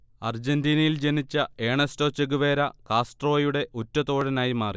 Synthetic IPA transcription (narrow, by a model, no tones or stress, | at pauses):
ɐrd͡ʑendiːnɐjild͡ʑe̞nit͡ɕːɐe̞ːɳesto̞ːt͡ɕːeɡuʋe̞ːɾɐkaːsʈro̞ːjuɽe̞ʔotːɐt̪oːɽɐnaːjimaːri